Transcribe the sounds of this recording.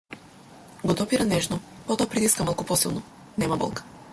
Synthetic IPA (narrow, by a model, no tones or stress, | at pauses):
ɡɔd̪ɔpiɾanɛʒnɔpɔt̪ɔapɾit̪iskamalˠkupɔsilˠnɔ | nɛmabɔ̰lˠkḁ